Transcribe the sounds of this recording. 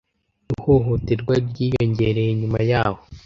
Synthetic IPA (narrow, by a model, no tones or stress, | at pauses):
ihoɦoteɾɡwaɾɟiːjoɲɟe̞ɾeiɲumajaːho